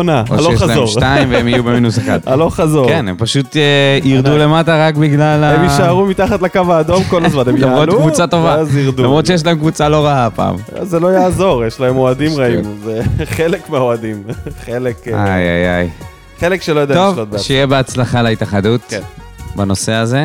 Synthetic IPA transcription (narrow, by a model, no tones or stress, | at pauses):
onao̰ojelaeeomʃtaimveemijjubeminusexχa̰d̪aloχazokenempaʃut̪eiʁd̪ule̞mataʁakbiɡlalaemiʃaʁumit̪aχatlakavaːd̪o̞mkolzmanemlamʁotkvut͡sato̞vaziʁd̪ulamʁot̪ʃejeʃ̬laemkvut͡saloʁaapa̰ːma̰zelo̞jaːzo̞ʁjeʃlaemo̞ad̪imʁaimzeχelekmeaoadimχelekʔa̰ja̰ja̰j | χelekʃelojadat̪ːaovlot̪̚bʃeijebeat͡slaχaleit̪aχadut | bano̞seaze̞